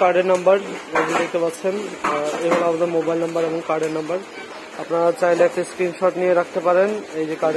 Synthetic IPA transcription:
kaɾɖeɾnambəɾebid̪ek̚ʰt̪epatːɕʰeneɦoloabad̪eɾmobajlnɐmbaɾeboŋkaɾɖeɾnambəɾ | apnaɾat͡ɕajleɛk̚ʈeskɾinʃɔʈnieɾak̚ʰt̪epaɾenejd͡ʑekaɾɖe

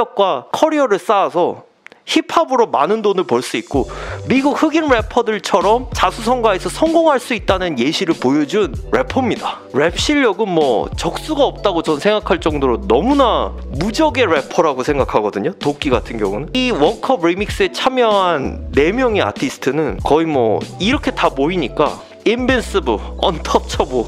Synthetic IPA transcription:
ʌk̚k͈wakʰʌɾiʌɾɯɭs͈aːsʰʌ | çipʰabɯɾomanɯndonɯɭpʌɭs͈uit̚k͈omiɡuk̚hɯɡinɾe̞pʰʌdɯɭt͡ɕʰʌɾʌmt͡ɕasʰus̬ʰʌŋɡwaesʰʌsʰʌŋɡoŋɦaɭs͈uit̚t͈anɯnje̞ɕʰiɾɯɭpojʌd͡ʑunɾe̞pʰʌmɲida | ɾe̞pʰɕ͈iʎːʌɡɯnmwʌt͡ɕʌk̚s͈uɡaʌp̚t͈aɡot͡ɕʌnsʰe̞ŋɡakʰaɭt͡ɕ͈ʌŋdoɾonʌmuna | mud͡ʑʌɡe̞ɾe̞pʰʌɾaɡosʰe̞ŋɡakʰaɡʌdɯɲotok͈iɡatʰɯnɡjʌ̰ŋunɯniwʌnkʰʌp̚ɾimik̚s͈ɯe̞t͡ɕʰamjʌɦanːe̞mjʌŋia̰tʰisʰɯ̥tʰɯnɯnkʌimwʌ̰iɾʌkʰe̞tamoiɲik͈a̰ | imbens͈ɯbɯʌ̰ntʰʌp̚t͡ɕʰʌbo

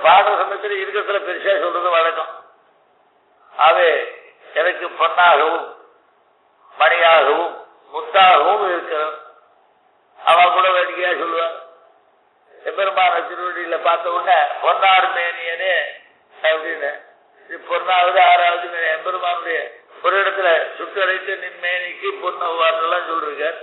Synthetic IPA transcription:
paːʈːɐsɐmɐjɐt̪ːɪɾɪɾɯkːɐɾɐt̪ːɪlɐpɛɾɪt͡ʃaːsɔlːɐðɯʋɐɻɐkːɐm | aːʋeː | ɛnɐkːɯpɔnːaːɣɐʋɯm | ɐɳɪjaːɣɐʋɯmː | ʊt̪ːaːɣɐʋɯmɪɾɯkːɐɾɐ | ɐ̰ʋɐ̃ɐpːɯɽɐʋeːɽɪkɐjaːsɔlːɯʋaː | ɛmbɐɾɐmaːnɐt̪ɪɾɯʋɐɽɪjɪlɐpaːɾt̪ɐʋɔnːɐpɔnːaːɽɯmeːnɪjɐne | ɐʋɾinːɐ | sipɔnːaːʋɐðɯaːɾaːʋɐðɯmeːniɛmbɐɾɐmaːnʊɾɪjɐɔɾɯɛɽɐt̪ːɪlɐsʊʈːɐɾɐɪt̪ːɐnɪnmeːnɪkːɯpɔnːɐʋaːndɐlːãːnsɔlːɪɾɯkːaːɾ

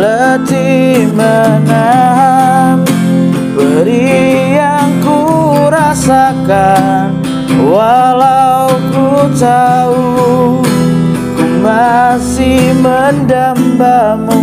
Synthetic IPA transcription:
lət̪imənaɦan | bəɾijaŋku | ɾasaka | n | walawkut͡ʃau | kumasihməndambam

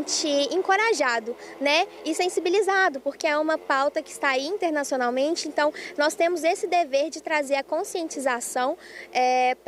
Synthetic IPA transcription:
t͡ʃɪẽŋkoɾaʒad̪ʊnɛ | ɪsẽsibilizad̪ʊpoɾkeɛũmɐpawt̪ɐkɪ̥st̪aiĩnt̪eɾnasionawmẽnt͡ʃɪẽnt̪ɐ̃w̃nɔst̪ẽmʊzesɪd̪eveɾd͡ʒɪt̪ɾazeɾɐkõsiẽnt͡ʃizasɐ̃w̃ | ɛ

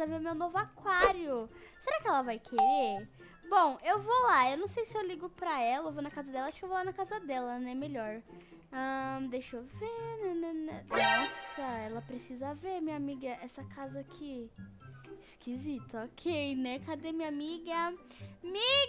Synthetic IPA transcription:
ɐveɾʊmewnovʊakwaɾiʊseɾakɪɛlɐvajkʰeɾeɾ | bõw̃ewvolaewnɐ̃w̃sejsɪewliɡʊpɾɐɛlɐewvonɐkazɐd̪ɛlɐaʃikɪewvowlanɐkazɐd̪ɛlɐnɛmeʎɔɾ | ɐ̃d̪ejʃovenɛnɛnɛnɔsɐɛlɐpɾesizɐveɾmĩɲɐamiɡɐʔɛsɐkʰazɐkʰɪ | ɪskʰizit̪ɐɔkʰejnɛkad̪emiɲɐamiɡɐ | mi

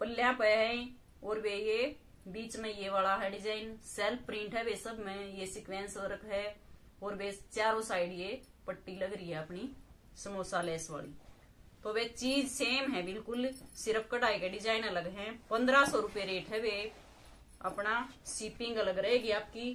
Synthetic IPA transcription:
pəlːjãpəɦĩ | ɔːɾweje | biːt͡ʃmẽjeʋaːlaɦɛɖɪd͡ʒaːɪnsɛlpʰpɾɪ̃ːɳʈɦɛʋesəbmẽjesɪkwẽnsəɾəkɦɛ | ɔːɾwet͡ʃaːɾosaːɪɖje | pəʈːiləɡɾəiɦɛəpni | səmoːsaleːsʋa̰ːlḭ | t̪oːʋet͡ʃiːd͡ʒseːmɦɛbɪlkʊlsɪɾəp̚ʰkəʈaːeɡeɖɪd͡ʒaːɪnələɡɦɛ̃pə̃nd̪ɾasɔɾʊpeɾeːʈɦɛʋe | ɐ̰pnasɪpɪ̃ŋɡələɡɾɐɦeɡiaːp̚ki

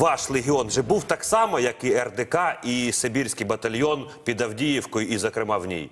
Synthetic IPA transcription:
ʋɑʃlʲˠeɦʲiɔnʒɛbuwt̪ɑksɑmɐjɐkɪɛrd̪ekɑisebʲirʲsʲkijbɐt̪ɐlʲjɔnpʲid̪ɐwdʲijiwkɔjʊizɐkɾɪmɑwnʲḭj

